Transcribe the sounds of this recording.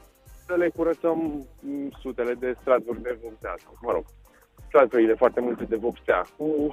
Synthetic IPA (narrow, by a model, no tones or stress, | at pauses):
səle̞kuɾət̪səm | sut̪e̞le̞d̪e̞st̪ɾad̪vurʲd̪e̞vopsea̰t̪uməɾo̰ɡ̥ | st̪ɾad̪vuɾile̞foart̪e̞mult̪e̞d̪e̞vopsea̰ku